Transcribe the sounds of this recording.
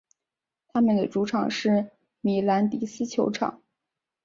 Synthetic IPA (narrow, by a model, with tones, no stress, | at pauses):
t̪ʰa˥mə˨˩nd̪ə˩ʈ͡ʂu˧˥ʈ͡ʂʰɑ˨˩ŋʂɻ̩˥˩ | mi˨˩la˧˥nt̪i˧˥sɹ̩˥t͡ɕʰjo˧˥ʊʈ͡ʂʰɑ̰˨˩˦ŋ